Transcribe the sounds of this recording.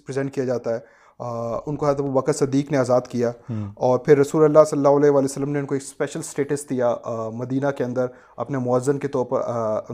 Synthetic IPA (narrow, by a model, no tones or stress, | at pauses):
pɾɪzɛ̃ɳʈ̚kijad͡ʒaːt̪aɦɛː | ʊnkoɦɛːt̪ɐbubɐkət̪sɐd̪ːiːkneaːzaːd̪kijaːɔːɾpʰɪɾːɐsuːlɐlːasɐlːaːɦʊlɛɦʋaːlijsəlːəmneʊnkoeːkspɛːʃəlsʈeːʈəsʈd̪ijamɐd̪iːnakeɐ̃nd̪əɾ | ɐ̰pnemɔəzːənket̪ɔːɾpɐ̰ɾ